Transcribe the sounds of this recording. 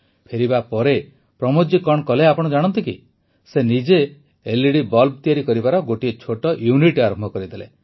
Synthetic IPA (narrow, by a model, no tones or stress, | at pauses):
pʰeɾibapɔɾe | pɾɔmod͡ʒikɔɳ̃kɔleapɔɽ̃ɔd͡ʒaɽ̃ɔnt̪ikḭ | senid͡ʒeː | liɽibɔlb̚t̪ijaɾikɔɾibaɾɔɡoʈiet͡ʃʰoʈɔjuniʈaɾɔmbʱɔkɔɾid̪elḛ